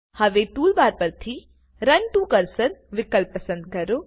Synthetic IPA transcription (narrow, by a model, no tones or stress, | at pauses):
hɐʋeʈ̪uːlbaːɾpɐɾt̪ʰi | ɾɐɳʈukɐɾsəɾʋɪkəlpːɐsə̃nd̪̚kɐɾo